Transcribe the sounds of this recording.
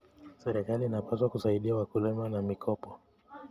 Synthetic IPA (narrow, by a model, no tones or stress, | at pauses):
sɛɾɛkaliːnapaswakusaiɗiawakulɛmanamikʰɔpɔ